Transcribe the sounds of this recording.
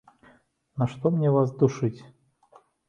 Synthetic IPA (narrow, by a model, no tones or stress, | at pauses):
nɐʂt̪ɔmnʲɛvasd̪uʂɨt͡sʲ